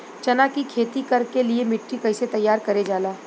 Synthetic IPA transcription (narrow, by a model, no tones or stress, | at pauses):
t͡ʃɐnakikʰeːt̪ikɐɾkeliemɪʈːikɐɪset̪ɐjːaːɾkɐɾed͡ʒaːlaː